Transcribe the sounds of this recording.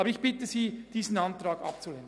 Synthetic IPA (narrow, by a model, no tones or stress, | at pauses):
ɑbəɪçb̥ɪtəziːd̥iːzn̩ɑntʁɑːɡɑ̰p̚t͡suleːn